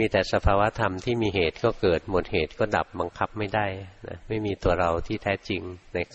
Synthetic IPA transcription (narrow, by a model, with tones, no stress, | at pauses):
miː˧t̪ɛː˨˩sa˧pʰaː˧wa˦˥t̪ʰa˧mt̪ʰiː˥˩miː˧ɦeː˨˩t̪̚kɔː˥˩kɤː˨˩t̪̚mo˨˩t̪̚heː˨˩t̪̚kɔː˥˩da̰˨˩p̚ba˧ŋkʰa˦˥p̚ma˥˩jda˥˩jna̰˦˥ma˥˩jmiː˧t̪u˧ɐɾa˧wt̪ʰiː˥˩t̪ʰɛː˦˥t͡ɕi˧ŋna˧j